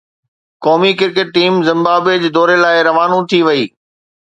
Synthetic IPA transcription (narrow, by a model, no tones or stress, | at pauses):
kɔːmikɪɾkeʈ̚ːiːmzɪ̃mbaːbed͡ʑd̪ɔːɾelaːɪɾɐʋaːnũt̪ʰiʋɐiː